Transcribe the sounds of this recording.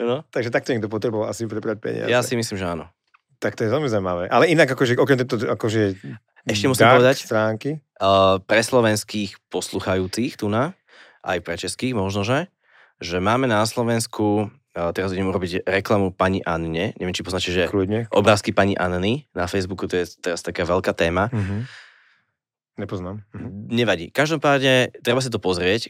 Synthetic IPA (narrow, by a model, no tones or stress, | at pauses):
anɔt̪aɡʒɛt̪ak̚t̪ɔɲɛɡ̚d̪ɔp̬ɔt̪ɾɛbɔʋalasipɾɛbɾac̚pɛ̰ɲɪ̰a̰jasimisliːmʒɛaːnɔ | t̪akt̪ɔjɛʋɛlmizaimaʋɛːʔalɛinaɡakɔʒɛʔɔkɛmt̪ɛt̪ɔakɔʒɛɛ | ɛʃcɛmusiimɔʋɛd̪acst̪ɾaːŋki | pɾɛslɔʋɛnskiːxpɔsluːxajuːt͡siːxt̪una | ʔa̰jpɾɛt͡ʃɛskiːɣmɔʒnɔʒɛ | ʒɛmaːmɛnaslɔʋɛnskʰu | t̪ɛɾaziɟɛmɛuɾɔbiɟɾɛklamupaɲiʔanɲɛɲɛ̰ʋɛmt͡ʃipɔznat͡ʃcɛʒɛkluɲɛʔɔ̰bɾaːskipaɲiʔa̰nninafɛjzbukut̪ɔjɛt̪ɛɾast̪akaːʋɛlkaːt̪ɛːmaɦ | ɲɛpɔznaːmɲɛʋaɟḭkaʒd̪ɔmpaːd̪ɲɛt̪ɾɛbas̬it̪ɔpɔzɾɪɛc